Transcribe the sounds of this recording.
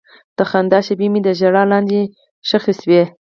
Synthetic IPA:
d̪̥əxand̪ɑʃebimid̪əʒaɽɑlɑnd̪i | ʃəxiswe

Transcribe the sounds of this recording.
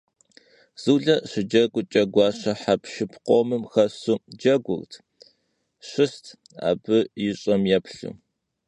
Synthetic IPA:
z̥uːɮɐɕɪd͡ʒɐɡʷʊt͡ʃʼɐɡʷɑːɕɐħapʰʃɪpʰqʷɔmɨmxɐsuːd͡ʒɐɡʷʊ̰rtʰ | ɕɪstʰ | a̰ːbɨjɪɕʼɐmjɛpʰɬɨ̰

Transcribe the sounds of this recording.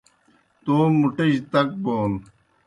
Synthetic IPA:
t̪oːmuʈeɕt̪ɐk̚boːn

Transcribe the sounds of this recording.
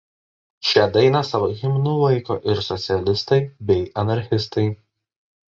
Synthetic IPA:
ʃʲɛd̪ɐɪnɐsɑʋoxʲɪmʲɪnuːlˠɐɪko̰ːʔɪɾsɔt̪sʲɪɛlʲɪst̪ɐɪbʲɛɪɐnɐɾʲxʲɪst̪ɐɪ

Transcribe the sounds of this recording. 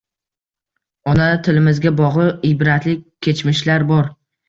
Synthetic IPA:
ɒnat̪ʰɪlɪmɪzɡʲabɒʁlˠɨɪbɾat̪lɪk̚ʲkʲʰːe̞t͡ʃmɪʃlaɾbɒɾ

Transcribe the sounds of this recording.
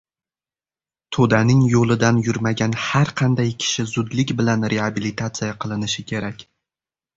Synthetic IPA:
t̪ʰod̪anɪŋjolˠɪd̪anjʊɾmaɡʲanhaɾqʰɑnd̪ajkʲʰɪ̥ʃɪzʊd̪lɪkʲbɪlanɾeabilit̪ʰat̪sɨjaqʰɨlˠɪnɪʃɪkʲʰe̞ɾakʲ

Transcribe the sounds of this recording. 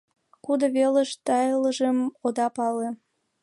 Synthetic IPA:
kud̪oβeleʃt̪ɑjləʒəmod̪ɑpɑle

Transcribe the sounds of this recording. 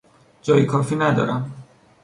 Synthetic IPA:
d͡ʒɒːjekʰɒːfiːnæd̪ɒ̰ːɾæm

